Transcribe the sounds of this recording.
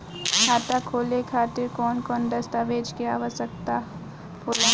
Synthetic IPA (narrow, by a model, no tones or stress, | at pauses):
kʰaːt̪akʰoːlekʰaːt̪ɪɾkɔːnkɔːnd̪ɐst̪aːʋeːd͡ʒkijaɦəsək̚t̪a | poːla